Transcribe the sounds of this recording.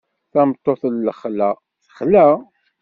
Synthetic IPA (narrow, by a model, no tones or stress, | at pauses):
θæmət̪ˤːoθlːəχlæ | θəχlæ